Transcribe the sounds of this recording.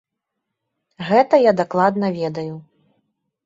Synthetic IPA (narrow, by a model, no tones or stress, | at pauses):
ɣɛt̪ɐjad̪aklˠad̪nɐvʲɛd̪ɐju